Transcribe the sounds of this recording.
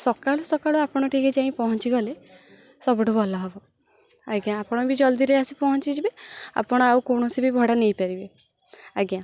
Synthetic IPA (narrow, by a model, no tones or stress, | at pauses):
sɔkaɭɔsɔkaɭɔapɔɽ̃ɔʈiked͡ʒaĩpɔɦɔnt͡ʃiɡɔle | sɔbɔʈubɔlɔɦebɔ | aɡjãːpɔɽ̃ɔbid͡ʒɔld̪iɾeasipɔɦɔnt͡ʃid͡ʒibea̰pɔɽ̃ɔawkoɽ̃ɔsibibʱɔɽanejpaɾibe | aɡjã